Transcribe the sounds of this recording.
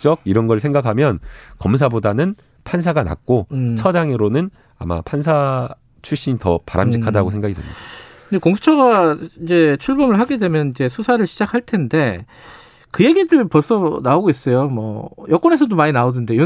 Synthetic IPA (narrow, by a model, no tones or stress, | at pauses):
t͡ɕ͈ʌɡ̚iɾʌnɡʌɭsʰe̞ŋɡakʰamjʌnkʌms̬ʰabodanɯn | pʰans̬ʰaɡana̰k̚k͈ot͡ɕʰʌd͡ʑaŋeɾonɯn | a̰ma̰pʰansʰa | t͡ɕʰuɭɕ͈iɲitʌpaɾʔamɕʰikʰadaɡos̬ʰe̞ŋɡaɡidwḛɲʌdakɯndekoŋsʰu̥t͡ɕʰʌɡaid͡ʑe̞t͡ɕʰuɭbʌmɯɭɦaɡe̞dwe̞mjʌnid͡ʑe̞sʰusʰaɾɯɭɕʰid͡ʑakʰaɭtʰe̞nde̞ | kɯje̞ɡidɯɭpʌs͈ʰʌnaoɡois͈ʌjomwʌjʌk͈wʌne̞s̬ʰʌdomaɲinaodɯnde̞jo